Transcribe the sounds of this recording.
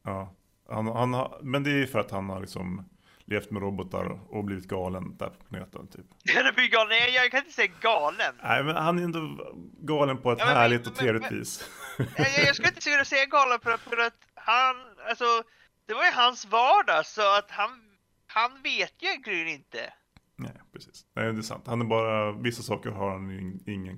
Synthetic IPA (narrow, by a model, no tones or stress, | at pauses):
ɑː | hanhanha̰mɛnd̪ɛfœɾat̪hanhaɭɪksɔ̰m | lʔeːft̪mɛɾɔbɔt̪a̰ɾɔ̰ɔbliːvɪt̪̚ɡɑːlənd̪̥æ̰ɾpʰɔ̥pʰlanḛːt̪ə̰nt̪ʰyːpɛd̪ɛbliɡɑːlənɛjɑkʰanɪnə̥sɛjːaɡɑːlənnɛ̰ɪmɛnhanæɾɛnd̪ɔɡɑːlənpʰɔɛt̪hæːɭɪɡ̚t̪ɔt̪ʰːɾeːvlɪvḭːs | jjɑːɡskkaɪnt̪əsʉkːnasɛjːaɡɑːlənffœɾat̪ | hanalsɔ | d̪̥ɛvaɾjɵɦansvɑːɖɑsɔat̪han | hanveːt̪jɵɛnɡʰɾɪŋːənɪnt̪ə̰ | nɛ̰ɪpʰɾɛsi̥ːsnæ̰jɛnd̪ɛsa̰nt̪hanæɾbɑːɾavɪsːasɑːkəɾhaɾhanɪŋːən